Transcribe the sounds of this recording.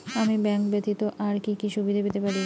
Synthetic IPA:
amibɛŋkbet̪it̪oʔaɾkikiʃubʱid̪ʱabet̪epaɾi

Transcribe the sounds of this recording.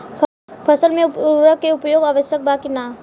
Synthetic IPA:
pʰɐsəlmẽɾəkːeʊpjoːɡaːʋəʃjək̚baːkina

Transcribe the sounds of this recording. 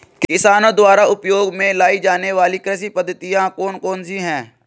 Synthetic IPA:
kɪsaːnõd̪waːɾaʊpjoːɡmẽlaːid͡ʒaːneʋaːlikɾəs̬ipəd̪ʱːət̪ijãkɔːnkɔːnsiɦɛ̃ː

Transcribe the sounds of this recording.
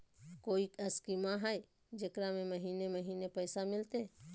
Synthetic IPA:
koːikəskimaɦəj | d͡ʒekɾamẽməɦiːneməɦiːnepəɪsamɪlt̪e

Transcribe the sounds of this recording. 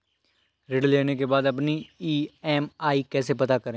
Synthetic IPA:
ɾeɖleːnekebaːd̪ɐpniiːɛːmaːikɛːsepɐt̪akɐɾẽː

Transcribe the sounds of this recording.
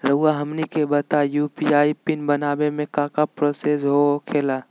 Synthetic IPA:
ɾəuaɦəmnikebət̪ajupiaːipɪnbənaːbemẽkãːkapɾosesɦokʰeːlaː

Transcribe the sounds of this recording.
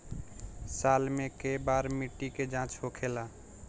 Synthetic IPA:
salmẽkebaɾmiʈːiked͡ʒãt͡ʃɦokʰela

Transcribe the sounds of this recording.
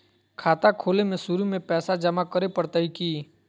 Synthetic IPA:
kʰaːt̪akʰoːlemẽsuɾimẽpɛːsad͡ʒəmakəɾepəɾt̪əikiː

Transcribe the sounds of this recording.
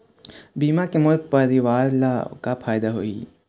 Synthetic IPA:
biːmakemʊɾd̪̚pɐɾɪʋaːɾlakapʰaːjd̪aɦoḭː

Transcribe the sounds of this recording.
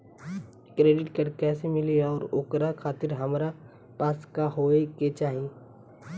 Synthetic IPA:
kɾeːɖɪʈkɐɽkɛːsemɪliɔːɾoːkɾakʰaːt̪ɪɾɦɐmɾa | paːskaɦoːeket͡ʃaːɦieː

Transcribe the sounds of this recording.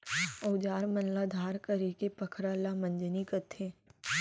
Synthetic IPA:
ɐʊd͡ʒaːɾmɐnlad̪ʱaːɾkəɾikepəkʰɾaːlamə̃nd͡ʒnikət̪ʰẽː

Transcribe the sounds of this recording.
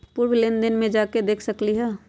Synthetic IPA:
pʊːɾwlɪnd̪ənmẽd͡ʒaːked̪eːkʰsɐkliɦɛː

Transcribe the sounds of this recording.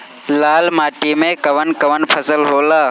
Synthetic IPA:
laːlmaːʈiːmẽkəʋənkəʋənpʰəsəlɦoːlaː

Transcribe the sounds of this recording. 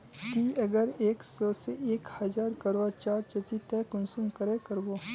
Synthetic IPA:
t̪iːɐɡəɾeːksɔːseʔeːkhɐd͡ʒaːɾkəɾat͡ʃaːɾt͡ʃət͡ʃit̪ɛkʊnsumkəɾekəɾboː

